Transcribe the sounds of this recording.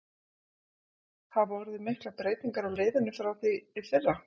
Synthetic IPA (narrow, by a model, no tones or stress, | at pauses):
θaðɔɾðɪmɪhklapɾeːjt̪iŋkaɾawleːjðɪnːʏfɾawθiɪfɪrːa